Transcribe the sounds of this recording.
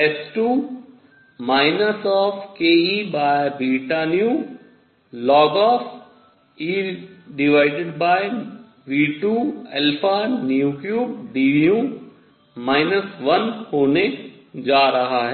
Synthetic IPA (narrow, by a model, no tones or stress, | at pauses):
esʈuː | maːɪnəsɔːfkeːiːbaːbɾiʈaːnijũ | lɔːɡɔːf | iːɖɪʋaːɪɖɪɖbaːɪ | ʋiːʈuːɛlpʰaːnjuːkjuːbɖiːijũ | maːɪnəsʋɐnhoːne | d͡ʒaːɾɐɦaɦɛ